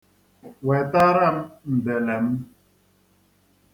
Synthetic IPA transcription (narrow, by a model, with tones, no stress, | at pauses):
wɛ˨ta˦ɾa˦˨m̩˦n̩˨dɛ˨lɛ˨m̩˦